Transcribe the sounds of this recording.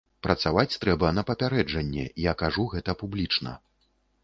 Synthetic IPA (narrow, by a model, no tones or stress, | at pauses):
pɾɐt̪savat͡sʲt̪ɾɛbɐnɐpɐpʲaɾɛd͡ʐɐnʲːɛ̰ijakaʐuɣɛt̪ɐpublʲit͡ʂnɐ̰